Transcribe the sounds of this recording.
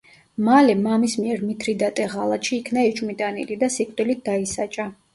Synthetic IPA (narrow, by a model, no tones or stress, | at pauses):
malɛmamismiɛɾmit̪ʰɾid̪at̪ʼɛʁalˠat̪ʃiːkʰnaɛt͡ʃʼmit̪ʼanḭlid̪asikʼt̪ʼilit̪̚d̪aisat͡ʃʼa